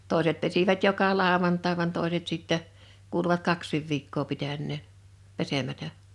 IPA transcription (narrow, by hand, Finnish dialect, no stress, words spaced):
toˑeset pesiʋæt jokɑ lɑˑoʋɑntɑe̝ ʋɑn toˑeset sitːɛ kuːluʋɑt kɑksˑiˑʋ ʋiːkːoː pitænːeˑn pesemætæ